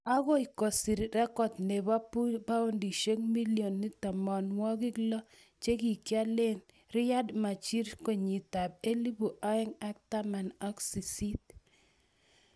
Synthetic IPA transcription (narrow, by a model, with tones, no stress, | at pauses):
a˦ɣɔ˦i˨kɔ˨si˨ɾɾɛ˦kɔ˨tne˨βa˦pu˦ba˦o˦ndi˨ʃe˦ŋmi˦lio˨nːi˦ta˨mɔ˨nwɔ˦kɪ˦klɔ˦ | t͡ʃe˦ki˨kja˦le˦n | ɾɪ˦ja˦dma˨t͡ʃi˦ɾko˨ɲi˨ta˨b̚e˦li˦bu˨ʔa˦ɪ˦ŋa˦k̚ta˦ma˨na˦ksi˨si˦t